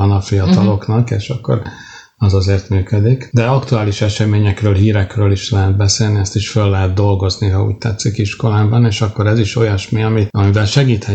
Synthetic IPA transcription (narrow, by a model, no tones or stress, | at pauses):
ɒnɒfijɒt̪ɒlo̞knɒkḛːʃɒkːo̞̰ɾ | ɒzɒzeːrt̪myːkød̪ikd̪ɛɒkt̪uaːliʃɛʃɛmeːɲɛkrøːlɦiːɾɛkrøːliʃlɛɦɛt̪̚bɛseːlniɛst̪iʃfølːɛɦɛd̪d̪o̞lɡo̞zniɦɒṵːc̚t̪ɛt̪sːikiʃko̞laːbɒneːʃɒkːo̞ɾɛziʃo̞jɒʃmiɒmiɒmivɛlʃɛɡiːt̪hɛ